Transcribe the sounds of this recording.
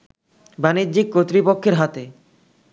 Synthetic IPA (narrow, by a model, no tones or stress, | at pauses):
banid̪d͡ʑik̚kːot̪ːɾipokʰːeɾɦat̪e